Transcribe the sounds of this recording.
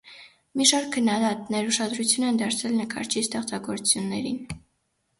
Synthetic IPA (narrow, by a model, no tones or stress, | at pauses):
miʃɑɾkʰːənːɑd̪ɑt̪nɛɾuʃɑd̪ɾut͡sʰjunɛnd̪ɑɾt͡sʰɛlnəkʰɑ̰ɾt͡ʃʰist̪ɛχt͡sɑɡɔɾut͡sʰjunːɛɾḭn